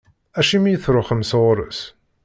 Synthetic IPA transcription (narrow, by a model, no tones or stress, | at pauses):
æʃimjəθɾʊχəmsʁɾə̰s